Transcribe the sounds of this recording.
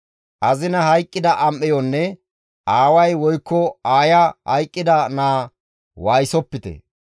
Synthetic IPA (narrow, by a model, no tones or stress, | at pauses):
ʔɐzɪnɐhɐjkʼːɪd̪ɐʔɐmʔɛjɔnːɛ | ʔaːwɐjwɔjkːɔaːjɐhɐ̰jkʼːɪd̪ɐnaː | waːjsɔpːɪt̪ɛ̰